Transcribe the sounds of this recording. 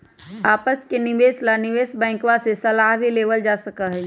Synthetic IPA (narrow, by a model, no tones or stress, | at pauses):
aːpəskenɪbeːslanɪʋeːsbɛ̃ːŋkʋasesɐlaːɦbʱileːʋəld͡ʒaːsəkaɦɛ